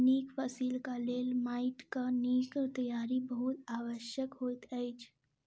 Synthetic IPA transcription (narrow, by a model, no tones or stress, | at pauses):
niːkfəsiːlkaleːlmaːɪʈkaniːkt̪əjaːɾibəɦʊt̪aːʋəʃjəkɦoːt̪ɛɪt͡ʃʰ